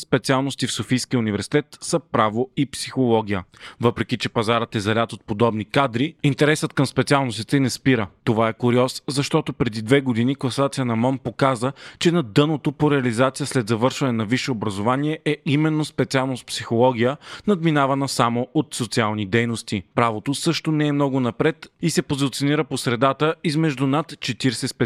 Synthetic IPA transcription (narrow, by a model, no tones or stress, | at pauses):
spɛt̪sialˠnost̪ifsofijskiəunivɛɾsi̥t̪ɛt̪səpɾavoipsixolˠɔɡ̟ʲijəvɤpɾɛkit͡ʃɛpɐzaɾət̪ɛzɐlʲat̪ot̪̚pod̪ɔbnikad̪ɾiint̪ɛɾɛsət̪̚kɐmspɛt̪sialˠnost̪it̪ɛinɛspiɾət̪ovaɛkʊɾiɔszɐʃt̪ɔt̪opɾɛd̪id̪vɛɡod̪iniklˠɐsat̪sijənɐmɔmpokazət͡ʃɛnɐd̪ɤnot̪opoɾɛɐlizat̪sijəslɛd̪zɐvɤɾʃvɐnɛnɐviʃɛobɾɐzovaniɛʔɛimɛnːospɛt̪sialˠnospsixolˠɔɡ̟ijənɐd̪minavɐnəsamoʔot̪sot̪sialˠnid̪ɛjnost̪ipɾavot̪osɤʃt̪onɛːmnɔɡʊnɐpɾɛt̪isɛpozit̪sioniɾəposɾɛd̪at̪əizmɛʒd̪unat̪t͡ʃɛt̪iɾsɛspɛ